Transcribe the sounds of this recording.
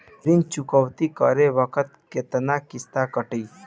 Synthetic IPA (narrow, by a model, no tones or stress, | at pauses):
ɾint͡ʃʊkəwt̪ikəɾeʋəkət̪ket̪ənakɪst̪akəʈiː